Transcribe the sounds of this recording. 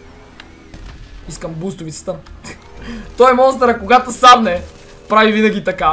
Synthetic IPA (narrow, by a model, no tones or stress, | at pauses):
iskəmbust̪ʊvit̪sɛ̥t̪ə | t̪ɔjɛmɔst̪ɛɾɐkoɡat̪osab̪nɛ | pɾavivinɐɡʲit̪ɐka